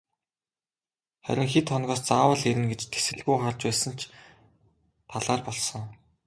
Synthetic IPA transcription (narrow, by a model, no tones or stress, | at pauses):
χæ̰ɾʲɪ̆ŋxet̪ʰχɔnɣɔːst͡saːwə̆ɮeɾɘ̆nɡet͡ɕt̪ʰe̥sɘ̆ɮɣujχart͡ɕpæːsə̆n̥t͡ɕʰ | t̪ʰaɮaːrpɔɮsɞ̆ŋ